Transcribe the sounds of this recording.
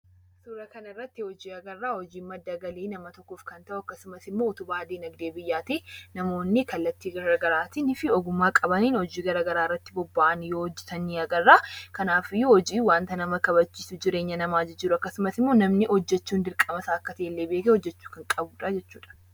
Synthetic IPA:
suːɾɐkɐnɪrːɐt̪ːɪhɔd͡ʒiːɐɡɐrːaːhɔd͡ʒiːmːɐd̪ːɐɡɐliːnɐmɐt̪ɔkːoːfkɐnt̪ɐʔʊɐkːɐsʊmɐsɪmːoːʊt̪ʊbaːd̪iːnɐɡd̪eːbɪjːaːt̪iːnɐmo̞ːnːɪkɐlːɐt̪ːiːɡɐɾɡɐɾaːt̪inɪfɪɔɡʊmːaːkʼɐbɐniːnhɔd͡ʒiːɡɐɾɐɡɐɾaːɪrːɐt̪ːɪbɔbːaːʔɐnjoːhɔd͡ʒːɪt̪ɐniːɐɡɐrːaːkɐnaːfɪjːʊhɔd͡ʒiːwaːnt̪ɐnɐmɐkɐbɐt͡ʃːiːsʊd͡ʒɪɾe̞ːɲːɐnɐmaːd͡ʒɪd͡ʒɪɾʊɐkːɐsʊmɐsɪmːo̞ːnɐmnɪhɔd͡ʒːɛt͡ʃːuːnd̪ɪɾkʼɐmɐsaːɐkːɐt̪ɐʔelːeːbeːkɛhɔd͡ʒːɛt͡ʃːuːkɐŋkʼɐbuːᶑad͡ʒɛt͡ʃːuːᶑɐ̥

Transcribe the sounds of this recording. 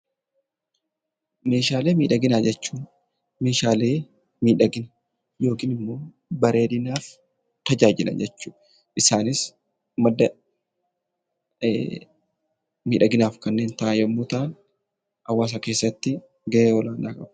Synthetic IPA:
me̞ːʃaːle̞ːmiːᶑɐɡɪnaːd͡ʒɛt͡ʃːuːn | meːʃaːleː | miːᶑɐɡɪnɐ | jo̞ːkiːnɪmːo̞ː | bɐɾʔe̞ːdɪnaːf | t̪ɐd͡ʒaːd͡ʒɪlɐ̰nd͡ʒɛt͡ʃːuːᶑ | ʔɪsaːnɪs | mɐd̪ːɐ | miːᶑɐɡɪnaːfkɐnːe̞ːnt̪ɐʔajɐmːuːt̪ɐʔɐn | hɐwːaːs̬ɐke̞ːsːɐt̪ːɪ | ɡɐʔeːɔlaːnaːkʼɐbɐ

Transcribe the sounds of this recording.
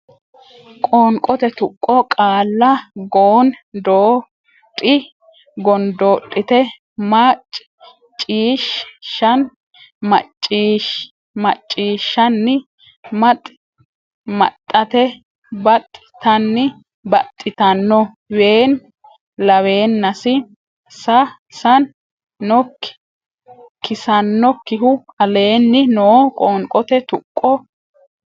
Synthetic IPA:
kʼoːŋkʼɔt̪ɛt̪ʊkʼːɔkʼaːlːɐɡoːnd̪oː | tʼːɪ | ɡɔnd̪oːtʼːɪt̪ɛ | maːt͡ʃʼː | t͡ʃʼːiːʃʃɐn | mɐ̰t͡ʃʼːiːʃ | mɐt͡ʃʼːiːʃːɐnːɪ | mɐt̪ʼ | mɐ̰t̪ʼːɐt̪ɛ | bɐt̪ʼːɪt̪ɐnːɪ | bɐt̪ʼːɪt̪ɐnːɔ | we̞ːn | lɐwe̞ːnːɐsɪ | sɐ | sɐnː | ɔkː | kːɪsɐnːɔkːɪɦʊɐle̞ːnːɪnoːkʼoŋkʼɔt̪ɛt̪ʊkʼːɔ

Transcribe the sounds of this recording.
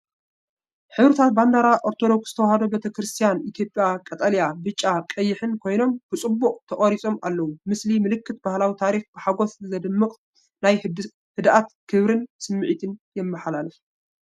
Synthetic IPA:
ħɨβɾɨt̪ʰat̪̚band̪aɾaʔoɾt̪ʰo̞d̪o̞kszɨ̥t̪ʰɐwhad̪obet̪ʰɐkɾɨst̪ʰijanʔit̪ʰjo̞pʼjakʼɐt̪ʼɐljabɨt͡ʃʼːakʼɐjːɪħɨnkʰo̞jno̞mb̥ɨt͡sʼɨbːuqʼt̪ʰɐχʼɐɾit͡sʼo̞ma̰lːɐwumɨslimɨlɨkʰːɨt̪bahlawit̪ʰaɾixb̥ɨħaɡo̞sɨzɐd̪ɨmːɨqʼ | naj | hɨd̪ʔat̪kʰɨβɾɨnsɨmːɨʕit̪ʰɨnjɛmːɨħalalɨf

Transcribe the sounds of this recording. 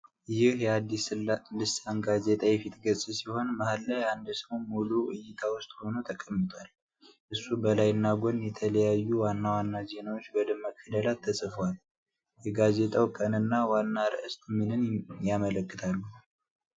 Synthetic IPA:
jɪhjɛad̪ːislɨsanɡazet̪ʼajɛfit̪ʼɡəsʼɨsiho̞nmahalːajand̪səwmuluʔɨjːɪt̪ʰawʊst̪ʼho̞not̪ʰəkʼəmːɨt̪ʰʼwal | ʔɨsːubəlajɨnːaɡʷonjɛt̪ʰələjajːuwanːawanːaze̞nawot͡ʃːbɔd̪ɨmːakʰːəd̪əlat̪ʰːəsʼɨfwal | jɛɡaze̞t̪ʼawkʼənɨnːawanːaɾəʔɨst̪ʼmɨnɨnjamələkʼːɨt̪ʰalːu

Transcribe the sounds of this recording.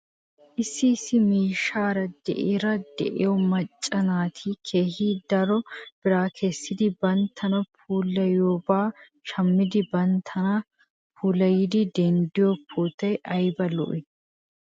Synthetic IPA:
ʔɪsːɪːsːɪmiːʃaːɾɐd̪ɛ̰ʔɪɾɐd̪ɛ̰ʔɪ̰jɔmɐt͡ʃʼːɐnaːt̪ʰikʰeːhid̪ɐɾɔb̥ɪɾaːkʰɛsːɪd̪ɪbɐnt̪ʰːɐnɐpʰuːlːɐjoːbaː | ʃɐmːɪd̪ɪbɐnt̪ʰːɐnɐ | pʰuːlɐjɪd̪ɪd̪ɛnd̪ɪjɔpʰːuːt̪ːɐjʔɐjbɐlɔ̰ʔɪ

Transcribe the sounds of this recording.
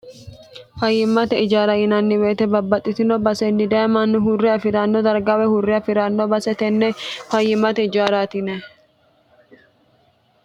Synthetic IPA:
fɐjːɪmːɐt̪ɛɪd͡ʒaːɾɐɪnɐnːɪweːt̪ɛbɐbːɐt̪ʼːɪt̪ɪnobɐsɛnːɪd̪ɐjɐmɐnːʊɦʊrːɪɐfɪɾaːnːɔd̪ɐɾɡawɛhʊrːɪɐfɪɾaːnːobɐsɛt̪ɛnːɛfɐjːɪmɐt̪ɛɪd͡ʒaːɾaːt̪ɪnɛ

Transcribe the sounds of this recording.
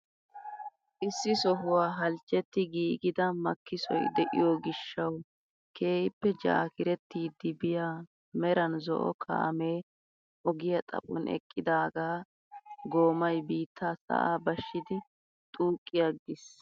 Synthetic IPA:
ʔɪsːɪsɔɦʊwaːɦɐlt͡ʃʼːɛt̪ːɪɡiːɡɪd̪ɐmɐkːɪsɔ̰jd̪ɛʔɪ̰jɔɡɪʃːɐw | ke̞ːhɪpːɛd͡ʒa̰ːkɪɾɛt̪ːiːd̪ːɪbɪjaː | mɛɾɐnzɔ̰ʔɔ̰kʰa̰ːme̞ː | ʔɔɡɪjɐt̪ʼɐ̰pʼɔ̰nɛ̰kʼːɪd̪aːɡaː | ɡo̞ːmɐjbiːt̪ʰːaːsɐ̰ʔa̰ːbɐʃːɪd̪ɪ | t̪ʼuːkʼːɪjɐɡɪs

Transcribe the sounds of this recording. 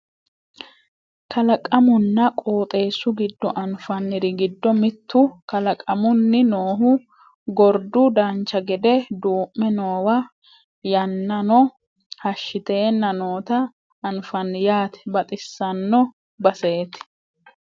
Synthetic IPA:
kʰɐlɐkʼɐmʊnːɐkʼoːt̪ʼe̞ːsːʊɡɪd̪ːɔʔɐnfɐnːɪɾɪɡɪd̪ːɔmɪt̪ʰːʊkɐlɐkʼɐmʊnːɪnoːhʊ | ɡɔɾd̪ʊd̪ɐnt͡ʃːɐɡɛd̪ɛd̪uːmːɛno̞ːwɐ | jɐnːɐnɔ | hɐʃːɪt̪e̞ːnːɐnoːt̪ɐː | nfɐnːjaːt̪ɛ̥bɐt̪ʼɪsːɐnːɔ | bɐse̞ːt̪ɪ̥

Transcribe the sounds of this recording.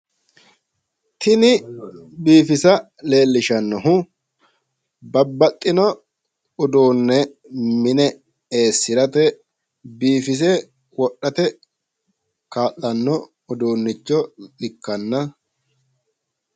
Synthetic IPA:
t̪ʰɪnɪbiːfɪsɐ | le̞ːlːɪʃɐnːɔɦʊ | bɐbːɐt̪ʼːɪnɔ | ʊd̪uːnːɛ | mɪnɛ | eːsːɪɾɐt̪ɛ | biːfɪs̬eː | wɔɗɐt̪ɛ | kaːlːɐnːɔ | ʊd̪uːnːɪt͡ʃːɔɪkːɐnːɐ

